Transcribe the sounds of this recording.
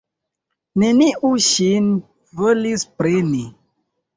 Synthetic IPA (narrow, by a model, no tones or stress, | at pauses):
ne̞niʔuʃin | volispɾeni